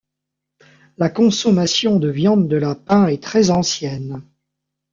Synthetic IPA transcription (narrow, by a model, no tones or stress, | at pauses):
lakɔ̃sɔmasjɔ̃d̪əvjɑ̃d̪ːəlapɛ̃ɛt̪χɛzɑ̃sjɛn